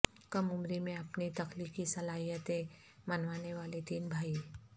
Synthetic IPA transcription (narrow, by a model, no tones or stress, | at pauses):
kɐmʊmɾimẽɐpnit̪ɐklikisɐlaːɦijət̪ẽ | mɐnʋaːneʋaːlet̪iːnbʱaːi